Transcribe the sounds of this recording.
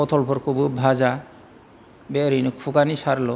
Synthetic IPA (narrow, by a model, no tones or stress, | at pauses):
ɔt̪ʰɔlpʰɔɾkʰububʱaza | beɾinukʰuɡanisaɾlɔ